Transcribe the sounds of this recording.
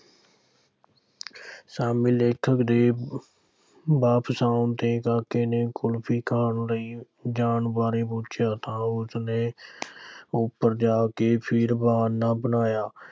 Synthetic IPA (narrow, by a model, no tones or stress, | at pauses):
saːmiːleːkʰəkd̪eː | baːpsãːʊnt̪eːkaːkeːneːkʊlpʰiːkʰaːnləiː | d͡ʒaːɳbaːɾeːpoːt͡ʃjaːt̪ãːʊsnẽː | ʊpːəɾd͡ʒaːkeːpʰɪɾbaːnːãːbənaːjaː